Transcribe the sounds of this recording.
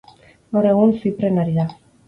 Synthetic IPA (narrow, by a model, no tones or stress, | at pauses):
oɾeɣunsipɾenaɾiða